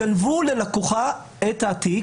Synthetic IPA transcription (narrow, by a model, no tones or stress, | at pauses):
anvule̞lakuχa | etaːti